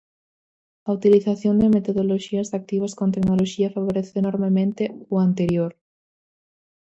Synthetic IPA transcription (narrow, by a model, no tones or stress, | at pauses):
ɐut̪iliθaθjond̪emet̪oðoloʃiɐsak̚t̪iβɐskõnt̪̬eknoloʃiɐfaβ̞oɾeθɪenoɾmemẽnt̪ɪʊant̪eɾjoɾ